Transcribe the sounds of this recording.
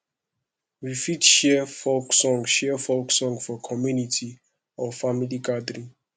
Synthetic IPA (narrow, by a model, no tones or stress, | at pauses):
wifitʃɛfɔlksɔ̃ŋʃɛfɔlksɔ̃ŋfɔkʰɔmjunitʰi | ɔfamiliɡadɹĩ